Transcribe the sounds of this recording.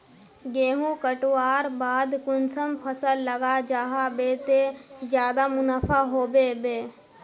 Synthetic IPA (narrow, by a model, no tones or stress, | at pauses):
ɡeːɦũkəʈoaːɾbaːd̪kʊnsəmpʰəsəlːəɡad͡ʒaːɦabet̪ezjaːd̪amʊnapʰaɦoːbebeː